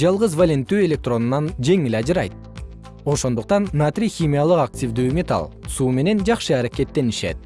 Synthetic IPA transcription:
d͡ʒɑlˠʁɯzvalʲent̪ːyːe̞lʲe̞k̚t̪ro̞nunɑnd͡ʒe̞ŋilʲɑd͡ʒɯɾɑjt̪̚ | o̞ʃo̞nd̪uq̚t̪ɑnːat̪rʲixʲimʲijalˠɯqak̚tʲivd̪yːmʲet̪a̰lˠsuːme̞ne̞nd͡ʒɑqʃɯɑɾake̞t̪ːe̞niʃe̞̰t̪̚

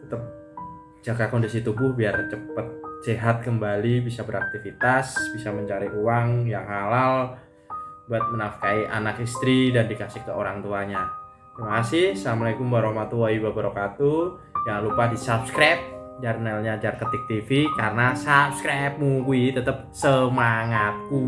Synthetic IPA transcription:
t̪ət̪əp̚ | d͡ʒaɡakondisit̪ubʊhbiart͡ʃəpət̪̚seɦat̪̚kəmbalibisabəɾak̚t̪ifit̪asbisaməɲt͡ʃaɾiʔuwaŋjaŋhalal | buat̪̚mənafkaiʔa̰nakist̪ɾidandikasɪkləoɾaŋt̪uaɲa | t̪əmakasɪhsamaikumbaɾomat̪uaibabəɾokat̪u | jaŋŋlupahdisapskɾap̚d͡ʒaɾnalɲad͡ʒarkət̪ɪk̚t̪ifikarənasap̚skɾap̚mukuit̪ət̪əp̚səmaŋat̪̚ku

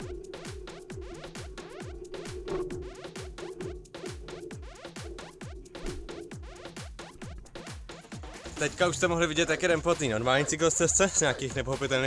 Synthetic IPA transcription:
t̪ɛckauʃst̪ɛmoɦlɪvɪɟɛt̪jakɛɾɛmpat̪niːnoɾmaːlɲiːt͡sɪklst͡sɛst͡sɛz̥ɲɛakiːxnɛpoxo̞pɪt̪ɛlniː

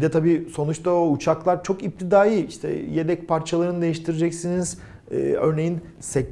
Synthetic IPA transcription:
d̪ɛt̪ʰabiːso̞nut͡ʃt̪ʰaout͡ʃʰaklˠaɾt͡ʃʰo̞kip̚t̪ʰid̪aːjiiʃt̪ʰɛ̰je̞d̪ɛc̚pʰaɾt͡ʃʰalˠaɾɯnɯd̪e̞jiʃt̪ʰiɾed͡ʒɛcsiniz̥̰ː | øɾne̞jin | sɛ

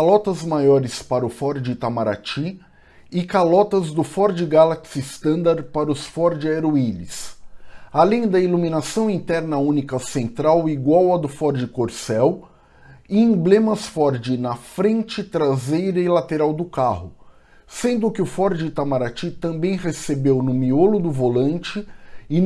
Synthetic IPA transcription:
kalɔt̪ɐzmajɔɾɪspaɾɐʊfɔɾd͡ʒɪt̪amaɾa̰t͡ʃi | ɪkalɔt̪ɐzd̪ʊfɔɾd͡ʒɪɡalaksist̪ɐ̃nd̪aɾpaɾɐʊsfɔɾd͡ʒɪeɾoiʎɪ̰s | alẽj̃d̪ɐilumĩnasɐ̃w̃ĩt̪ɛɾnɐũnikɐsẽnt̪ɾawiɡwawɐd̪ʊfɔɾd͡ʒɪkoɾsɛw | ɪẽblẽmɐsfɔɾd͡ʒɪnɐfɾẽnt͡ʃɪt̪ɾazejɾɐilat̪eɾawd̪ʊkahʊ | sẽnd̪ʊkɪʊfɔɾd͡ʒɪt̪amaɾat͡ʃit̪ɐ̃mbẽj̃hesebewnʊmiolʊd̪ʊvolɐ̃nt͡ʃɪɪ

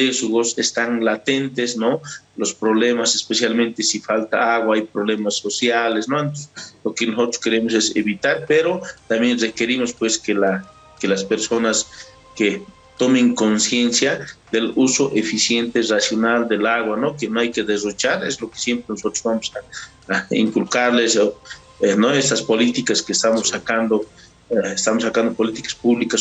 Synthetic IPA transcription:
d̪esuɣo̞sest̪aŋlat̪ent̪esnolospɾoβlemasespesjalmẽnt̪esifalt̪a̰aɣwaajpɾoβlemasːosjalesnoent̪oslokenosot̪ɾoske̞ɾemosesḛβit̪aɾpeɾot̪ambjenrekeɾimospweskela | kelaspeɾso̞nas | ke | t̪omeŋkonsjensjad̪elusoʔefisje̞nt̪erasjo̞nald̪elaɣwanokenoajkeðezrot͡ʃaɾezloke̥sje̞mpɾenoso̞t̪ɾozβamosa | ḭŋkulkaɾleso | enoest̪aspo̞lit̪ikaskeːst̪amosakand̪o | est̪amosːakand̪opo̞lit̪i̥kḁspuβlikas

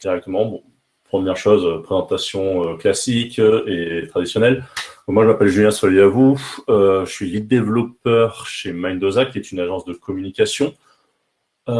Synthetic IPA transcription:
d̪̥iʁɛk̚t̪əmɑ̃bɔ̃ | pχəmjɛʁʃozøpχezɑ̃t̪asjɔ̃øklasikʲet̪χad̪isjɔnɛlɔ̃mwaʒəmapɛlʒyljɛ̃sɔliavuøʒəsɥilid̪evlɔpœʁʃemajnd̪ozakʲiɛt̪ynaʒɑ̃sd̪əkɔmynikʲasjɔ̃

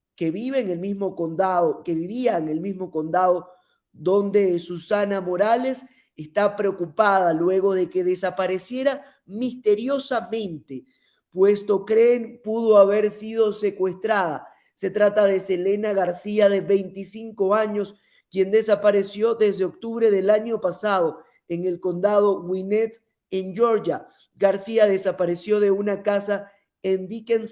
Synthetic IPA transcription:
ke̞βiβe̞ːŋelmizmo̞kond̪aðoke̞βiβiaeŋe̞lmizmo̞ko̞nd̪aðo | ðo̞nd̪e̞susanamo̞ɾale̞s | est̪apɾeo̞kupaðalwe̞ɣo̞ðe̞ke̞ðe̞sapaɾe̞sje̞ɾa | mist̪e̞ɾjo̞samẽ̞nt̪e̞ | pwe̞st̪o̞kɾenpuðo̞aβe̞ɾsið̞o̞se̞kwe̞st̪ɾaða | se̞t̪ɾat̪aðese̞le̞naɣaɾsiaðe̞βe̞jnt̪isiŋko̞aɲo̞s | kje̞nd̪e̞sapaɾe̞sjo̞ðe̞zðe̞ok̚t̪uβɾe̞ðe̞laɲo̞pasaðo̞ | eŋe̞lko̞nd̪aðo̞winet̪ | end͡ʒo̞ɾd͡ʒa | ɡaɾsiaðe̞sapaɾe̞sjo̞ðe̞unakasa | end̪ikens

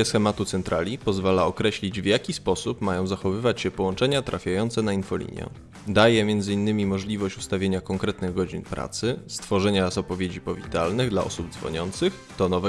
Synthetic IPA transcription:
ɛsxɛmat̪ut̪sɛnt̪ɾalʲipɔzvalaɔkɾɛɕlʲid͡ʑvjakʲispɔsupmajɔ̃w̃zaxɔvɘvat͡ɕɕɛpɔwɔnt͡ʂɛɲat̪ɾʔafʲjajɔnt̪sɛnainfɔlʲḭɲʲjɛ̰ | d̪ajɛmʲjɛnd̪zɘinːɘmʲimɔʐlʲivɔɕt͡ɕust̪avʲjeɲakɔŋkɾɛt̪nɘɣɡɔd͡ʑinpɾʔa̰t̪sɘst̪fɔʐɛɲazɔpɔvʲjed͡ʑipɔvʲit̪alnɘɣd̪la̰ʔɔsub̚d̪zvɔ̰ɲɔnt̪sɘx | t̪ɔnɔvɛ

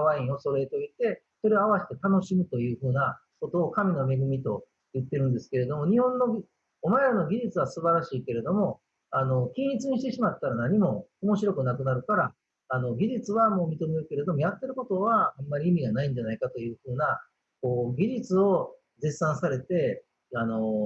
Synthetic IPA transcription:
βaĩo̞so̞ɾe̞t̪o̞it̪e̞ | so̞ɾe̞oaβaɕi̥t̪e̞t̪ano̞ɕimɯ̟t̪o̞jɯ̟ːɸɯ̟ːna | ko̞t̪o̞ːkamʲino̞me̞ɡɯ̟mʲit̪o̞ | jɯ̟t̪ːe̞ɾɯ̟̃nd̪e̞sɨ̥ke̞ɾe̞d̪o̞mo̞ɲ̟ihõ̞nːo̞ɡʲi | omaeɾɯno̞ɡʲiʑit͡sɨβasɨbaɾaɕiːke̞ɾe̞d̪o̞mo̞ | ano̞kʲĩɲit͡sɨɲ̟iɕit̪e̞ɕimat̪ːaɾanaɲ̟imo̞omo̞ɕiɾo̞kɯ̟nakɯ̟naɾɯ̟kaɾaː | no̞ɡʲiʑit͡sɨβamo̞ːmʲit̪o̞me̞ɾɯ̟ke̞ɾe̞d̪o̞mo̞jat̪ːe̞ɾɯ̟ko̞t̪o̞βaamːaɾʲiːmʲiɡanaĩɲ̟d͡ʑanaikat̪o̞jɯ̟ːɸɯ̟ːna | ko̞ːɡʲiʑit͡sɨo̞ | d͡zesːãɰ̃saɾe̞t̪e̞ | ano̞

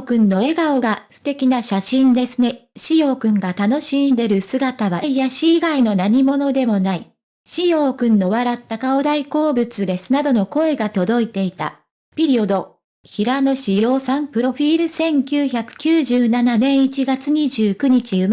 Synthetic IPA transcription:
kɯ̟̃nːo̞e̞ɡaoɡaɸɯ̟̥t̪e̞kʲinaɕaɕĩnd̪e̞sɨne̞ɕijo̞ːkɯ̟̃ŋɡat̪ano̞ɕĩnd̪e̞ɾɯ̟sɨɡat̪aβaijaɕiːɡaino̞naɲ̟imo̞no̞d̪e̞mo̞nai | ɕijo̞ːkɯ̟̃nːo̞βaɾat̪ːakaod̪aiko̞ːbɯ̟t͡sɨd̪e̞sɨ̥nad̪o̞no̞ko̞e̞ɡat̪o̞d̪o̞it̪e̞it̪a̰ | pʲiɾʲio̞d̪o̞ | çiɾano̞ɕijo̞ːsãmpɯ̟ɾo̞ɸʲiːɾɯ̟sẽ̞ŋkʲɨːçakɯ̟̥kʲɨːʑɨːnananẽ̞ɰ̃it͡ɕiɡat͡sɨɲ̟iʑɨːkɯ̟ɲ̟it͡ɕiɯ̟

